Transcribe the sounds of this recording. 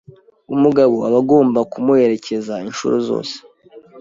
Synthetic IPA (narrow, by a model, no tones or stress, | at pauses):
umuɡaβoaβaɡo̞ːmbakumue̞ɾe̞cʰe̞zainʃṵɾuzo̰ːse̥